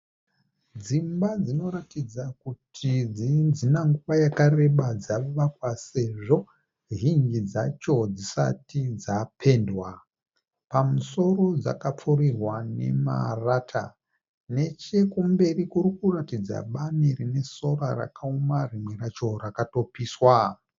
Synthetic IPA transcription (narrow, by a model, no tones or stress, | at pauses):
d͡zimbad͡zino̞ɾatid͡zakutʰid͡zid͡zinaŋɡuʋajakare̞ɓad͡zaʋakwase̞ʐo̞ | ɦiŋɡid͡zat͡ʃo̞d͡zisa̰tid͡zapʰe̞ːndwa | pamuso̞ro̞d͡za̰kap͡furirwane̞̰ma̰raːtʰa̰ | ne̞t͡ʃe̞kumbe̞rikurikuratid͡za̰ɓanirine̞so̞rara̰kʰaomarimwe̞rat͡ʃo̞rakato̞piːswa